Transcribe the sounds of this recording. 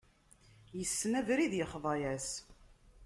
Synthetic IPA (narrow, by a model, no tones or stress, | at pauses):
jəsːnævɾiðjəχðˤɑjæs